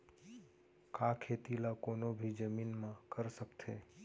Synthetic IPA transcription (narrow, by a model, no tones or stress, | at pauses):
kakʰet̪ilakonobʱid͡ʒəminmãkəɾʃəktʰe